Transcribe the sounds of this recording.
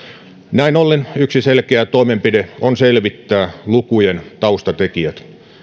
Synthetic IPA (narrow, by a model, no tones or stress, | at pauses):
næinolːenyksiselkeæt̪oimempideonselʋit̪ːæːlukujent̪ɑust̪ɑt̪ekiæt̪